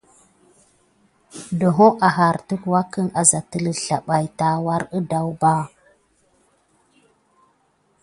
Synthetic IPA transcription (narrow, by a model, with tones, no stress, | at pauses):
do˨ɦo˦ʔa˨ɦa˨ɾtə˦kwa˦kə˦ŋa˨za˨tə˦lə˨ɬa˨ɓa˨jta˦wa˦ɾə˦da˦wba˦